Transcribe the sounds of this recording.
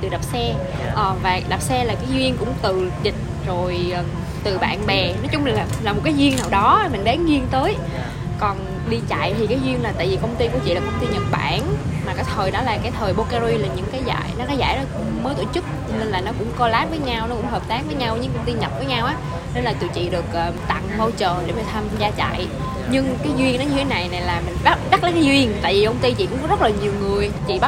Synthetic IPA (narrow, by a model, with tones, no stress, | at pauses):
t̪ɨ˨˩ɗa˨˩p̚sɛ˧ | ʔəː˨˩vaː˨˩ɗa˨˩p̚sɛ˧laː˨˩kaː˨˦jzwi˧əŋkʊ̰˧˥ŋ͡mt̪ɨ˨˩zï˨˩k̟̚ | zo˨˩jʔː | t̪ɨ˨˩ɓa̰ː˧˨nɓɛ˨˩nɔ˨˦t͡ɕʊ˨˦ŋ͡mma˨˩la˨˩laː˨˩m˨˩t̚kaː˨˦jzwi˧əŋnaː˨˩wɗɔ˨˦˨mï˨˩ŋ̟ɗaː˨˦ŋɣi˧əŋt̪əː˨˦j | kɔ˨˩n | ɗi˧t͡ɕa̰˧˨jt̪ʰi˨˩kaː˨˦jzwi˧əŋlaː˨˩t̪a̰ː˧˨jvi˨˩kə˧wŋ͡mt̪i˧ku˧˩ət͡ɕḭ˧˨la˨˩kə˧˩wŋ͡mt̪i˧ɲə̰˧˩n̚ɓa̰ː˧˩nmaː˨˩kaː˨˦jt̪ʰəː˨˩jɗɔ˨˦laː˨˩kaː˨˦jt̪ʰəː˨˩jɓo˧kaː˧zi˧laː˨˩ɲɨ̰˧˥ŋkaː˨˦jza̰ː˧˨jnɔ˨˦kaː˨˦jza̰ː˧˨jɗɔ˨˦ | məː˨˦jt̪o˧˨t͡ɕɨ˦˥k̚ne˧nlaː˨˩nɔ˨˦kʊ̰˧˥ŋ͡mkɔ˧laː˦˥p̚vəː˨˦jɲa˧wnɔ˨˦kʊ̰˧˥ŋ͡mɦəː˨˩p̚t̪aː˦˥k̚vəː˨˦jɲa˧wɲɨ˧ŋkə˧wŋ͡mt̪i˧ɲə˨˩t̚vəː˨˦jɲa˧wʔaː˨˦ | ne˧nlaː˨˩t͡ɕ̪ɨ̰˧˩˨t͡ɕḭ˧˨ɗɨ˨˩ək̚ʔəː˨˩t̪a̰˧˨ŋmo˧wt͡ɕəː˨˩ɗe˧˩mə˧˩t̪ʰaː˧mzaː˧t͡ɕa̰˧˨j | ɲɨ˧ŋkaː˨˦jzwi˧əŋɗɔ˨˦ɲɨ˧e˨˦na˨˩jna˨˩jlaː˨˩mï˨˩ŋ̟ɓa˦˥ɓa˦˥t̚laː˨˦kaː˨˦zwi˧əŋt̪a̰ː˧˨jvi˨˩kə˧wŋ͡mt̪i˧t͡ɕḭ˧˨kʊ̰˧˥ŋ͡mkɔ˨˦zə˦˥t̚laː˨˩ɲi˨˩əwŋɨ˨˩əjt͡ɕḭ˧˨ɓa˦˥